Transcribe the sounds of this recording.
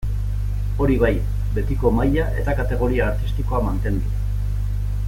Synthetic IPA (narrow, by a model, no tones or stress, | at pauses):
o̞ɾiβ̞aj | be̞t̪iko̞majaʔe̞̰t̪akat̪e̞ɣ̞o̞ɾiaːɾt̪ist̪iko̞amant̪e̞nd̪u